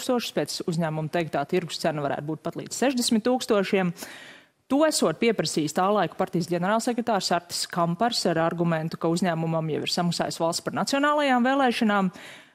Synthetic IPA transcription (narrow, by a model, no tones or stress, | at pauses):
kst̪uɔʃspɛt̪suzʲɲæːmumut̪ɛjkt̪̚aːt̪iɾɡu̥st̪sænavaɾæ̰ːt̪̚buːt̪̚pat̪lˠḭːd̪z̥sɛʒd̪esmʲɪt̪ːuːkst̪uɔʃiɛm | t̪uæsuɔt̪̚piɛpɾɐsiːst̪aːlˠɑjkpaɾt̪ijsɡʲɛnɛɾaːlˠsɛkɾet̪aːɾsaɾt̪ɪ̥skampaɾsaɾaɾɡumɛ̃nt̪u̥kauzʲɲæːmumamjɛ̰ʋiɾsamɐksa̰ːjsʋɑlˠst̪ʲpaɾnat̪sijɔnaːlˠajaːmveːlˠɛːʃanaːm